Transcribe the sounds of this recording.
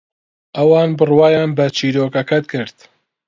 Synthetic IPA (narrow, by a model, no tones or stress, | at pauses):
ʔɐwɑːnbɨrwaːjaːnbɐt͡ʃʰiːɾoːkɐkɐt̪kʰɨɾd̪̥